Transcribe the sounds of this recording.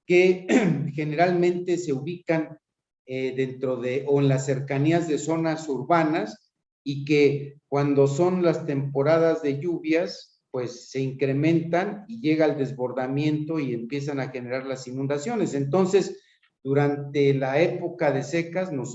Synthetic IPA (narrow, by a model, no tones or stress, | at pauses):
ke̞xe̞ne̞ɾalmẽ̞nt̪e̞se̞uβikan | eðe̞nt̪ɾo̞ðe̞ʔoenlasːe̞ɾkaniazðe̞so̞nasuɾβanas | ike̞kwand̪o̞so̞nlast̪e̞mpo̞ɾaðazðe̞ʝuβjas | pwe̞sːe̞iŋkɾe̞mẽ̞nt̪aniʝe̞ɣaːld̪e̞zβo̞ɾðamje̞nt̪o̞ie̞mpje̞s̬anaxe̞ne̞ɾaɾlasinũnd̪asjo̞ne̞se̞nt̪o̞nse̞z | d̪̥uɾant̪e̞lae̞po̞kaðe̞se̞kaznos